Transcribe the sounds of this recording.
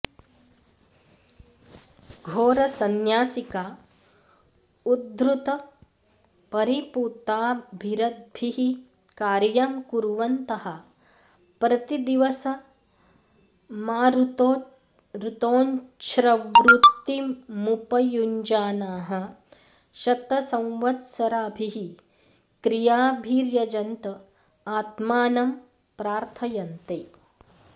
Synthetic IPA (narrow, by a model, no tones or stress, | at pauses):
ɡʱoːɾɐsɐnjaːsikaː | ud̪ɾut̪ɐ | pɐɾipuːt̪aːbʱiɾɐd̪̚bʱiɦi | kaːɾjɐmkuɾʋɐnt̪ɐhɐ̆ | pɾɐt̪id̪iʋɐsɐ | maːɾt̪ː | ɾut̪oːnt͡ʃɾɐʋɾut̪ːimupɐjuɲd͡ʒaːnaːɦɐ̆ | ʃɐt̪ɐsɐ̃w̃ʋɐt̪sɐɾaːbʱiɦi | kɾijaːbʱiːɾjɐd͡ʒɐnt̪ɐ | aːt̪maːnɐm | pɾaːɾt̪ʰɐjɐnt̪eː